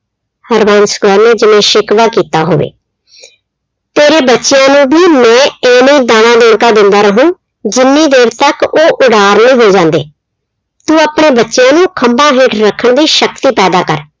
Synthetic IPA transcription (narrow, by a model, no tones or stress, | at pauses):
həɾmãːnsɡoːɾneːd͡ʒɪmẽːʃɪkʋaːkiːt̪aːɦo̰ːʋḛː | t̪eːɾeːbətːʃjãːnũːbʱiːmɛ̃ːɛːnĩːd̪aːɽãːd̪ʊɳkaːd̪ɪnd̪aːɾəɦũː | d͡ʒɪnːiːd̪eːɾt̪əkoːʔʊɽaːɾnĩːɦoːd͡ʒãːnd̪eː | t̪ũːaːpɳeːbətːʃjãːnũːkʰəmbãːɦɪʈʰɾəkʰːəɳd̪iːʃəkt̪iːpɛːd̪aːkə̰ɾ